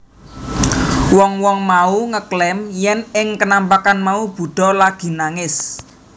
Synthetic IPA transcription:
wɔŋwɔŋmauŋəklɛmjɛnɪŋkənampakanmaub̥ṳɖ̪̥ɔ̤laɡ̥i̤naŋɪs

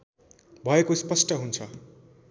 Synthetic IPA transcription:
bʱʌekospʌsʈʌɦunt͡sʰʌ

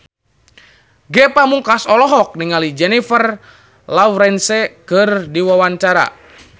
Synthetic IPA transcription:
ɡɛpamuŋkasɔlɔɦɔk̚niŋalid͡ʒɛnifər | lawɾɛnsɛkɨrdiwawaɲt͡ʃaɾa̰

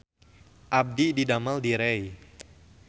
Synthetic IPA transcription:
ʔab̚dididamaldiɾɛj

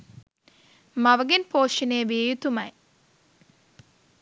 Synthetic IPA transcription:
maʋəɡenpoːʃinejʋiejut̪umɐj

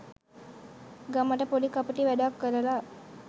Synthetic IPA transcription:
ɡaməʈəpoɖikapəʈiʋæɖakːəɾəla

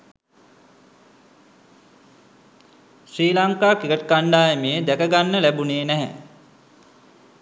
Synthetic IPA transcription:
sriːlaŋkaːkikəʈəkaɳɖaːjəmeːd̪ækəɡanːəlæbuneːnæɦæ̰

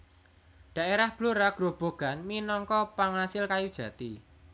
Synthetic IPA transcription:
ɖ̥ä̤ʔeɾahb̥loɾaɡ̥ɾob̥o̤ɡ̥a̤nminɔŋkɔpaŋasɪlkajud̥ʒ̥ä̤t̪i

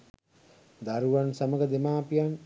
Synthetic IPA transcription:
d̪aɾuʋansaməɡəd̪emaːpijan

